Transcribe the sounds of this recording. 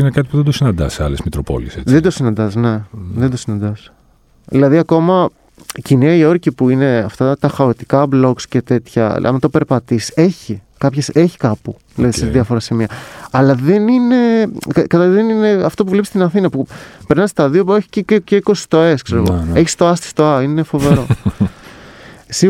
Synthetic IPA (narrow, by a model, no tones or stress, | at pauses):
inekɐt̪i̥puðed̪osinɐnd̪ɐ̰seɐ̰lezmit̪ɾopo̰lieseðend̪osinɐnd̪ɐsne̞ðend̪o̞sinɐ̃nd̪ɐs | ðilɐðiɐko̞mɐ | ciniɐio̞ɾcipuine̞ɐft̪ɐt̪ɐxɐot̪ikɐblo̞kscet̪e̞t̪çɐ̰ɐ̰mt̪ope̞ɾpɐt̪ise̞çi | kɐpçese̞çi̥kɐpu | ðilɐðissɐðiɐfo̞ɾɐsimiɐɐlɐðe̞nine̞kɐkɐt̪ɐiðenine̞ɐft̪o̞puvlepist̪inɐθinɐpupe̞ɾnɐst̪ɐðio̞peçi̥cececeiko̞si̥t̪o̞e̞skse̞ɾeɣoeçi̥st̪o̞ɐst̪i̥st̪oɐine̞fo̞ve̞ɾo̞ | si